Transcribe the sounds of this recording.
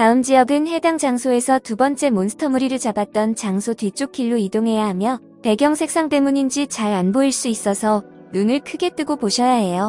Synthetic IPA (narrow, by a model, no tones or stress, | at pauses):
taɯmd͡ʑijʌɡɯnhe̞daŋd͡ʑaŋsʰoe̞sʰʌtubʌnt͡ɕ͈e̞monsʰɯ̥tʰʌmuɾiɾɯɭt͡ɕabat̚t͈ʌnt͡ɕaŋsʰotɥit͡ɕ͈ok͈ʰiɭːuidoŋɦe̞jaɦamjʌ | te̞ɡjʌŋsʰe̞k̚s͈aŋt͈e̞muɲind͡ʑit͡ɕaɾanboiɭs͈uis͈ʌsʰʌ | nunɯɭkʰɯɡe̞t͈ɯɡopoɕʰʌjaɦe̞jo